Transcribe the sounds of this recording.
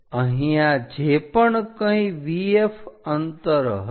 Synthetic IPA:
ə̃ɦijãd͡ʒepəɳkəĩʋiefənt̪əɾɦ

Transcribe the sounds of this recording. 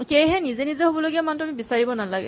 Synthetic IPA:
kejɦɛnizɛnizɛɦobɔloɡiamantʊamibisaɹibɔnalaɡɛ̰

